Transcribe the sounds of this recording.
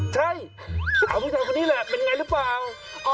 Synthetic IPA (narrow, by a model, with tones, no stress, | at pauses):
t͡ɕʰa˥˩j | sa˧˦˩kʰaː˨˩pʰːi˦˥˩t͡ɕʰaː˧˩kʰo˧nːiː˦˥lɛ˧˩pe˧n˧ŋa˧jɾɯ˦˥plaː˨˩w | ʔɔ˧